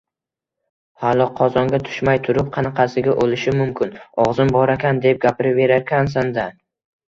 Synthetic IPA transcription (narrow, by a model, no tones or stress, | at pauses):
halˠɒqʰɒzɒŋɡʲat̪ʰʊ̥ʃmajt̪ʰʊɾʊp̚qʰɑnɑqʰɑsɪɡʲaʔolɪʃɪmʊmkʲɪnɒʁzɪmbɒɾakʲʰand̪e̞p̚ɡʲapʰɪɾɪve̞ɾaɾkʲans̬and̪a